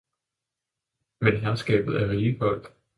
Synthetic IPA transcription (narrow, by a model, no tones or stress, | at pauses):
menɦæɐsɡ̥ɛ̰ːb̥ð̩ˠæɐʁiːhɒ̽l̰d̥